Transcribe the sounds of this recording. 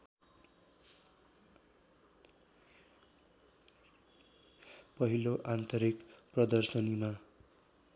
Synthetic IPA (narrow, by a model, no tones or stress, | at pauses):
pʌɦiloʔant̪ʌɾikprʌd̪ʌrsʌnima